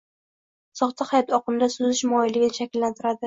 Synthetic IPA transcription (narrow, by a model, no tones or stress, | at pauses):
sɒχt̪ʰahajɒt̪ɒqɨmd̪asʊzɪʃmɒjɪlɪɡʲɪnɪʃakʲɪlːant̪ʰɪɾad̪ɪ